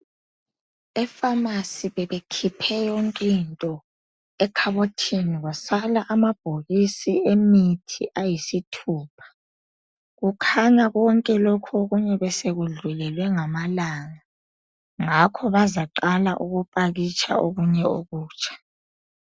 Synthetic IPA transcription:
ɛfamasiβɛβekʰipʰɛjɔŋkʼintʼɔ | ɛkʰaβotʰiniɣasalaʔamab̥ʱoɣisiemitʰiʔajisitʰuːpʰḁ | ɣukʰaɲaɣɔŋkʼɛlokʰuoɣuɲɛβɛseɣuɮulɛlwɛŋamalaŋa | ŋakʰɔβazaǃalaʔuɣupʼaɣit͡ʃʰʼa̰oɣuɲɛoɣuːt͡ʃʰʼḁ

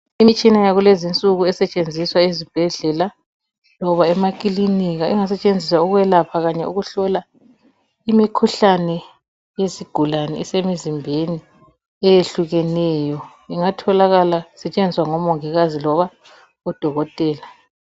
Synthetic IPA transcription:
imit͡ʃʼinajaɣulezint͡sʼuɣuɛsɛt͡ʃʼend͡zʱiswaezib̥ʱɛɮɛla | lɔβaɛmakʼiliniɣaʔḭŋasɛt͡ʃʼend͡zʱiswauɣuwɛlapʰaɣaɲɛuɣuɬɔla | imikʰuɬanɛ | jesiɡ̥ʱulanɛ̰isemizimbʱeni | ɛjeɬuɣɛnɛːjɔ | iŋatʰɔlaɣalasɛt͡ʃʼend͡zʱiswaŋɔmɔŋɛɣazilɔβa | ɔd̥ʱɔɣɔtʼɛːla

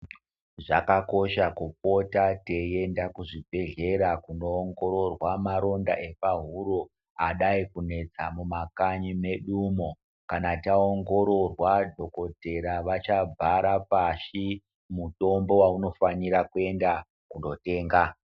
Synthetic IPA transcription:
ʐakako̞ʃakup̚o̞tate̞je̞ndakuʐibʱe̞ɮe̞ɾakuno̞ːŋɡo̞ɾo̞rwamaɾo̞nda̰ʔe̞paɦuɾo | aɗaikune̞d͡zamumakaɲime̞ɗumo | kanataoŋɡo̞ɾo̞rwadʱo̞ko̞te̞ɾaʋat͡ʃab͡vʱaɾapaʃi | muto̞mbo̞wauno̞faniɾakue̞nda | kundo̞te̞ːŋɡa

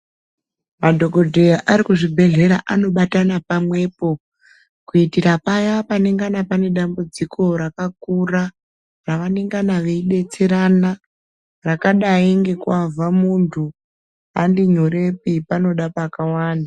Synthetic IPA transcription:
madʱo̞ɡo̞dʱe̞jaʔaɾikuʐibʱe̞ɮe̞ɾaʔanoɓatanapamwe̞ːpo̞ | kuitiɾapajapaneŋɡanapane̞ɗambud͡zikʰo̞ɾakak̚ura | raʋane̞ŋɡanaʋe̞iɗe̞t͡seɾana | rakaɗaiŋɡe̞kwavʱamuntʰu | andiɲoɾe̞pipano̞ɗapakawaːnda

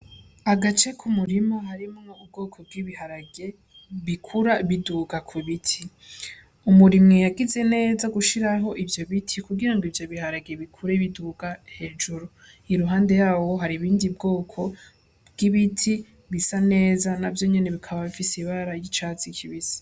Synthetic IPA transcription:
aɡat͡ʃe̞kʰumuɾimo̞ɦaɾimŋoub̚ɡo̞ːkʰo̞b̚ɡiβiɦaɾaɡe̞ | βikʰuɾaβiduːɡakʰwiβitʰi | umuɾimŋejaɡize̞ne̞ːzaɡuʃiɾaɦo̞ʔivjo̞βitʰikuɡiɾaŋɡivjo̞βihaɾaɡe̞βikʰuɾeβiduːɡahe̞d͡ʒuɾu | iɾuɦaːnde̞jaːwo̞ɦaɾiβiːndibɡo̞ːkʰo̞ | bɡ̥iβitʰi | βisane̞ːzanavjo̞ɲe̞ne̞βikʰaβaβifisiβaɾaɾajit͡ʃaːt͡sikʰiβisi̥

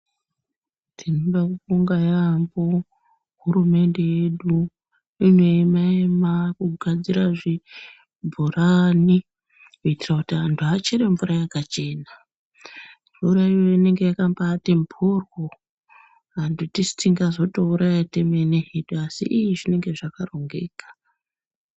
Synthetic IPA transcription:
tinobakufuŋɡajambo̞ | ɦuɾume̞nde̞jeɗu | ineimaemakuɡʱad͡ziɾaʐi | bʱurani | kuitirakutiɦantʰuat͡ʃeɾeɱvuɾajakat͡ʃe̞ːna | ɱvuɾaijo̞ine̞ŋɡe̞jakambatembʰʱurwo | ɦandutisi̥t͡siŋɡazo̞touɾajatemeneɦeɗuasḭʔijiʐine̞ŋɡe̞ʐakaro̞ŋɡe̞̰ːkḁ

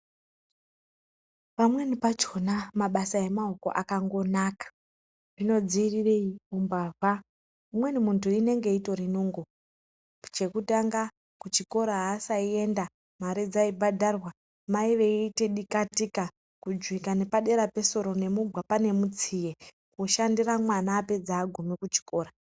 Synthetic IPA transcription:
pamwe̞nipat͡ʃo̞namaɓasae̞maɦuko̞̰ʔakaŋɡo̞naːkḁ | rino̞d͡ziːrire̞iumbava | umwe̞nimuntuine̞ŋɡe̞ito̞rinoŋɡo | t͡ʃe̞kutaŋɡa | kut͡ʃiko̞ɾaɦaːsaie̞nda | maɾid͡zaibʱadʱarwa | maiʋe̞iteɗikatika | kud͡ʒwikane̞paɗe̞ɾape̞so̞ɾo̞ne̞muɡʱwapane̞mut͡sije̞ | kuʃandiramwanaːpe̞d͡zaːɡʱumikut͡ʃi̥ko̞ːɾa

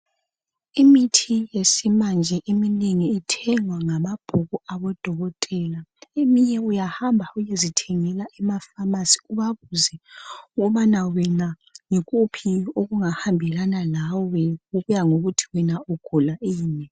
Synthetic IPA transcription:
imitʰijesimand͡ʒʱɛʔimineŋiːtʰɛŋwaŋamab̥ʱuɣuaβɔd̥ʱɔɣɔtʼɛːlaemiɲɛujahambʱaujezitʰɛŋɛlaʔɛmafamasi̥uβaβuzɛuɣuβanawɛna | ŋɛɣʼupʰioɣuŋahambʱɛɣanalawɔɛuɣujaŋoɣutʰi̥wɛnauɡ̥ʱulaʔiːnɛ

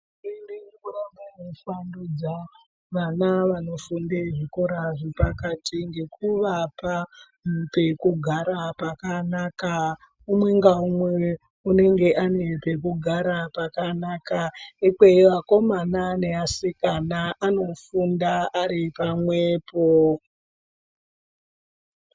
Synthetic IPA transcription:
enekuramanefandud͡za | ʋanaʋano̞fundeʐiko̞ɾaʐipakatiŋɡe̞kuʋapa | mpe̞kuɡʱaɾapakanaka | umwe̞ŋɡaumwe | une̞ŋɡe̞ʔane̞pe̞kuɡʱaɾapakanakaikweiʋako̞manane̞asikanaano̞fundaaɾipamweːpo

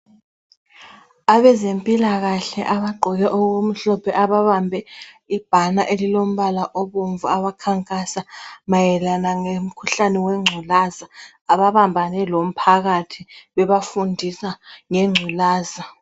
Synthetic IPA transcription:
aβɛzempʼilaɣaɬɛʔaβaɡ͡ǃʱɔɣɛʔoɣum̩ɬɔpʰɛʔaβaβambʱɛ | ib̥ʱanaʔelilom̩βalaʔɔβoɱvuaβakʰaŋkʼasamajɛlanaŋem̩kʰuɬanɛwɛŋ͡ǀʱulazaː | βaβambʱanɛlom̩pʰaɣatʰiβɛβafundʱisaŋeŋ͡ǀʱulaːza

